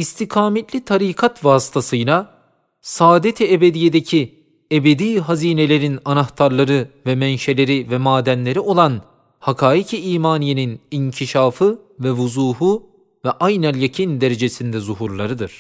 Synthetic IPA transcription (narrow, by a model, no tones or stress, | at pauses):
ist̪ʰikʰaːmet̪lʲit̪ʰaɾiːkʰat̪vaːsɯ̥t̪ʰasɯjlˠa | saːd̪et̪ʰiebed̪ijed̪ecʰi | ebed̪iːɦaziːne̞lʲe̞ɾinanaht̪ʰaɾlˠaɾɯvɛmɛnʃe̞lʲe̞ɾivɛmaːd̪ænlʲe̞ɾio̞lˠan | hakʰaːicʰiiːmaːnijeniniɲcʰiʃaːfɯ | vɛvuzuːɦu | vɛʔajnaljacʰind̪eɾe̞d͡ʒe̞sind̪ɛzuɦuɾlˠaɾɯd̪ɯɾ̥